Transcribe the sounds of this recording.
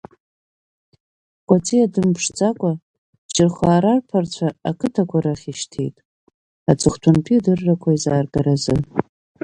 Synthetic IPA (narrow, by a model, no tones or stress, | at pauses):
kʷʼat͡sʰʼiadɨmpʰʂd͡zʼakʷʼa | t͡ʃɪrχʷaːɾarpʰart͡ɕʷʰaakʰɨtʰakʷʰaɾaχʲiʃtʰejtʼ | at͡sʰʼɨχʷtʷʰʊnpʰidɨrːakʷʰaizaːrɡaɾazɨ